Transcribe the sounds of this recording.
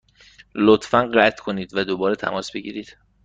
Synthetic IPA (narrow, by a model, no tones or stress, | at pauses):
lot̪fænɢæt̪ʰkʰo̞niːd̪væd̪obɒːɾet̪ʰæ̰mɒːsbe̞ɟḭːɾiːd̪̥